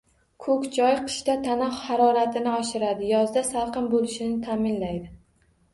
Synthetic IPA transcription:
kʰɵkʲd͡ʒɒjqʰɨ̥ʃt̪at̪ʰanɒhhaɾɒɾat̪ʰɪnɪɒʃɪɾad̪ɪjɒzd̪asalˠqɨmbolɪʃɪnɪt̪ʰamɪnlajd̪ɪ

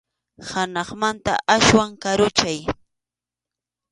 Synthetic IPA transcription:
hanɑχmant̪a̰ʔaswaŋkaɾʊt͡ʃaj

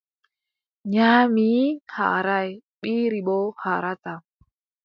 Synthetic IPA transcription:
ɲamiha̰ɾaj | ɓiɾiɓohaɾat̪a

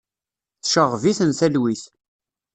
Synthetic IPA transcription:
θʃəʁviθənθælwiθ

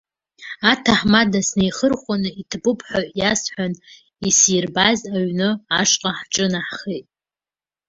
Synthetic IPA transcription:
atʰaħmadasnejχərχʷanɨitʰbɨpʰʼħʷaʕjasħʷᶣan | isjirbazaɥnɨaʂqʼaħʈ͡ʂʼɨnaħχejtʼ

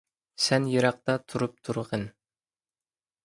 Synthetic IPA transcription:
sɛnjɨɾɑq̚t̪ɑt̪ʰuɾup̚t̪ʰuɾʁən

